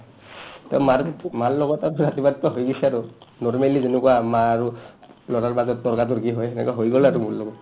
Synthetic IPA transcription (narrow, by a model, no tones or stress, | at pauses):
taʊmaɾktmallɔɡɔtaɹuɹatibad̚kuaɦojɡɔsɛaɹunɔɹmelizenɔkuwamaːɹu | lɔɾaɹbatɔtɔɹkat̬ʊɹkiɦɔjɛnɛ̰kuaɦojɡɔlaɹumʊɹlɔɡɔt